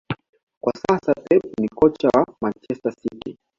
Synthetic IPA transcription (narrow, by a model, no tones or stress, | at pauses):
kwasasatɛp̚nikɔt͡ʃawamant͡ʃɛstasitɛ